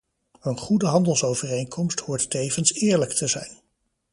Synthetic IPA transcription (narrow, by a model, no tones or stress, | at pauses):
ənχudəɦɑndəlˠsowvərejŋkʰɔmsthʊːɹtːejvənsɪːɹləktʰəzɛ̰jn